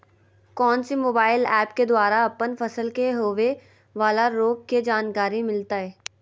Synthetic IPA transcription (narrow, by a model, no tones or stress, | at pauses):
kɔːnsimoːbaːɪlɛːpked̪waːɾaɐpːənfɐsəlkeɦoːʋe | ʋaːlaɾoːɡked͡ʒaːnkaːɾimɪlt̪aɦɛː